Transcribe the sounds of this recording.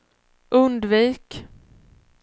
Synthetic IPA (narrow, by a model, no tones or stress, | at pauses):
ʔɵnd̪viːk